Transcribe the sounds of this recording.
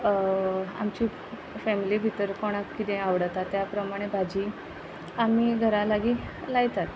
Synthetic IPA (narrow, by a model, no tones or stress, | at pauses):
a̰mt͡ɕiː | fɛmilibʱit̪əɾkoɽ̃akkːit̪ẽaʋɽət̪at̪ːjapɾəmaɽ̃ebʱad͡ʑiː | amiɡʱəɾalaɡilaɡt̪at̪